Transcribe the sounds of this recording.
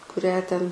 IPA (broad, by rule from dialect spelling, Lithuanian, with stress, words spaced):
kʊˈrʲæː tʲɛn